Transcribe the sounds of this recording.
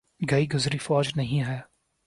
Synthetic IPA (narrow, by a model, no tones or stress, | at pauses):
ɡɐiɡʊzɾifɔːd͡ʒnɐɦĩɦɛː